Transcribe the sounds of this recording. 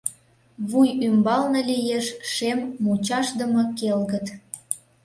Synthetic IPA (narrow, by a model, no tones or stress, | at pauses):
βujymbɑlnɤ̆lijeʃʃemːut͡ɕɑʃd̪əməkelɣə̆t̪